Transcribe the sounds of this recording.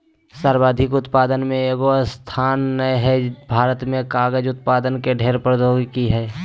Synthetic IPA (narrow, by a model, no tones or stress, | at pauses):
saɾbaːd̪ʱɪkʊt̪paːd̪ənmẽeɡost̪ʰaːnːəɦɛbʱaːɾət̪mẽkaːɡəd͡ʒʊt̪̚paːd̪ənkeɖʱeːɾpəɾd̪oːɡkiɦɛː